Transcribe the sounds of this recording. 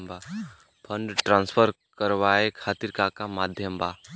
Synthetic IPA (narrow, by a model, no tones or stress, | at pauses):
mba | pʰəɳɖʈɾãːnspʰəɾ | kəɾʋaekʰaːt̪iɾkakamaːd̪ʱjəmba